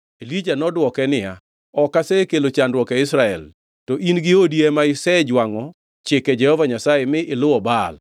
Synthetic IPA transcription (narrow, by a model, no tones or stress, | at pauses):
elid͡ʒanɔdwɔkɛnɪja | ɔkasɛkelot͡ʃandwɔkɛɪsɾaɛl | tɔʔinɡɪodiɛmaɪsɛd͡ʒwaŋɔ | t͡ʃɪkɛd͡ʒɛhɔvaɲasajemɪʔɪlʊwɔbal